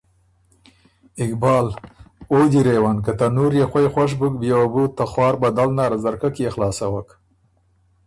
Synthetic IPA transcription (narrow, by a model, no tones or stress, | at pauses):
ɪkbɑːlod̪iɾewankat̪anuɾjexwajexwaʂ̬bʊkbjewabut̪ːaxwɑːɾbad̪alnɑɾazaɾkakjexlɑːsawak